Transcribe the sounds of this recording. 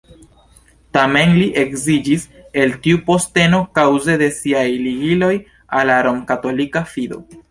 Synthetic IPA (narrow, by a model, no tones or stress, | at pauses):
tame̞nliʔe̞kzid͡ʒise̞ltiupo̞ste̞no̞kawze̞de̞siajliɡilo̞j | alaɾomkato̞likafido̞̰